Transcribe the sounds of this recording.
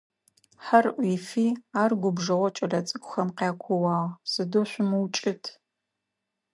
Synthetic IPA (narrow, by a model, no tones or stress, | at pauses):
ħɐrʔʷiːfiːaːrɡʷʊbʒɐʁʷɔt͡ʃʼɐrɐt͡sʼɨkʷʰʼʊxɐmqaːkʷʰɔwɑːʁsɨdoɕʷʊmɨwt͡ʃʼɪtʰ